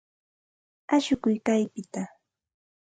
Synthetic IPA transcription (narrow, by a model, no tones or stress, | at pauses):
aʃʊkʊjkajpɪt̪a